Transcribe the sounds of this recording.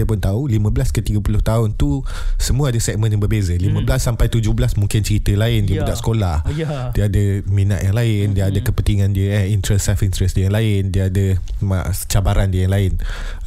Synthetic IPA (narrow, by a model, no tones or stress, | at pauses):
əpʊnt̪aulimə̃blaskət̪iɡapulʊht̪aʊnt̪u | səmuəadəsɛk̚mə̃njaŋbəbezəlimə̃bəlasːampajt̪ud͡ʒʊhblasmũŋkɪnt͡ʃəɾit̪əlaɪndiəbbdaʔsə̥kolah | diəadəmĩna̰ʔ̪jaŋlaɪndiəadəkəpənt̪iŋãndiəəhint̪ɾɛsɛfint̪ɾɛsdiəjãŋlaɪndiəadəmã̰ʔt͡ʃabaɾandiəjaŋlaɪn